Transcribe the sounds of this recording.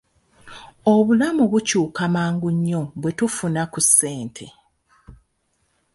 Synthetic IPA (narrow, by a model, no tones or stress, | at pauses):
oβulamuβucuːkamaːŋɡuɲːo̞βwe̞tufunakusːe̞ːntʰe̞